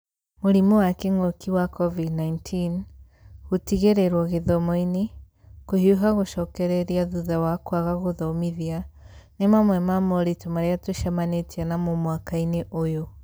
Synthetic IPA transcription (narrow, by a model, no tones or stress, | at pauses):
moɾimɔwakeŋɔkʰiwakɔvidnaintʰin | ɣutiɣeɾɛɾwɔɣeðɔmɔine | kohiuɦaɣoʃɔkɛɾɛɾiaðuðawakwaɣaɣoðɔmiðianemamwɛmamɔɾitomaɾeatoʃamanetianamomwakaineʔojo